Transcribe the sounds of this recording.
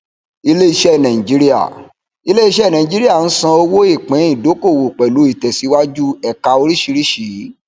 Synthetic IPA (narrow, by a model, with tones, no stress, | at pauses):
i˧le˦i˧ʃɛ˦˨nã˨ĩ˨d͡ʒi˨˦ɾi˦a̰˦˨ | i˧˦le˦i˧ʃɛ˦˨nã˨ĩ˨d͡ʒi˦ɾi˦a˦˨n̩˦sã˧o˧wo˦i˦˨k͡pɛ̃˨˦ĩ˦˨do˨˦ko˦˨wo˨k͡pɛ˨lu˨˦i˦˨tɛ˨si˨˦wa˦d͡ʒu˦ɛ˨ka˧o˧ɾi˦ʃi˧ɾi˦ʃi˨˦